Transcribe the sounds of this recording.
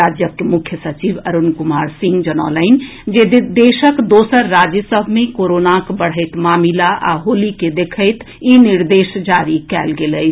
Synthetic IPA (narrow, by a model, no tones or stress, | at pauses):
ad͡ʒjəkːemukʰjəsət͡ʃibəɾunkumaɾsĩŋɡd͡ʒənalən | d͡ʒed̪eʃəkd̪osəɾːad͡ʒjəsəbʱmekoɾonakbəɽ̤ɦəɪt̪mamilaʔa̰ɦoliked̪ekʰəɪt̪ | iniɾd̪esd͡ʒaɾikɛ̰lɡeləɪt͡ʃʰ